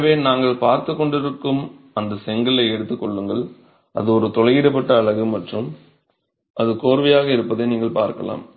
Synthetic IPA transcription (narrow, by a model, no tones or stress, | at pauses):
ʋeːnaːŋɡɐɭpaːɾt̪ɯkːɔɳɖɪɾɯkːɯm | ɐnd̪ɐsɛŋɡɐlɐɪɛɽɯt̪ːɯkːɔɭːɯŋɡɐɭ | ʔɐ̰ðɯɔɾɯt̪ɔɻɐɪɣɪɽɐpːɐʈːɐːɭɐɣɯmɐʈrɯm | ʔɐðɯkoːɾʋɐjaːɣɐɪɾɯpːɐðeːniːŋɡɐɭpaːɾkɐla̰ːm